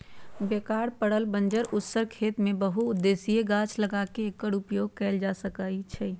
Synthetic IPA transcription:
beːkaːɽpəɽəlbə̃nd͡ʒəɾʔʊt̪səɾkʰeːt̪mẽbəɦuʊd̪ːeːsieɡãːt͡ʃləɡakeːkːəɽʊpjoːɡ̚kɛld͡ʒasəkait͡ʃʰɛ

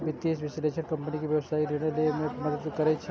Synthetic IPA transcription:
bʱit̪ːiːsʋɪsleːʃəɾkɐ̃mpənikiʋjɐʋsaːilɪnelemẽmɐd̪əd̪kɐɾet͡ʃʰe

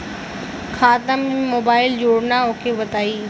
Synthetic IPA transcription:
xʰaːt̪əm̃moːbaːɪld͡ʑoːɽnaʊkʰeʋɐt̪aːiː

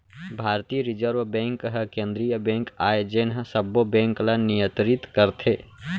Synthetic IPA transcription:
bʱaːɾt̪iːəɾɪd͡ʒəɾʋbɛ̃ŋkɦəkẽnd̪ɾijəbɛ̃ŋkaːjd͡ʒenɦsəbobɛ̃ŋklənijə̃t̪ɾit̪kəɾt̪ʰe

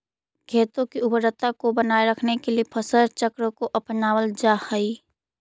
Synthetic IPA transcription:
kʰeːt̪õkiʊbəɾət̪akobənaːeɾəkʰnekeliepʰəsəɾt͡ʃəkɾəkoʔɐpnaːwəld͡ʒaːhəi

